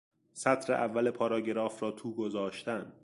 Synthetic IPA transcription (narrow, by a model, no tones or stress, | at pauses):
sæt̪ʰɾḛʔævːæle̞pʰɒːɾɒːɟeɾɒːfɾɒːt̪ʰuːɡo̞zɒːʃt̪æn